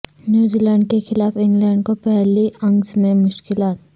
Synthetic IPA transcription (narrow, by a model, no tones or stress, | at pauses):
njuːzilɛ̃ːɳɖkexɪlaːfɪ̃ŋɡlɛ̃ːɳɖkopɛɦliɐ̃ŋɡzmẽmʊʃkɪlaːt̪̚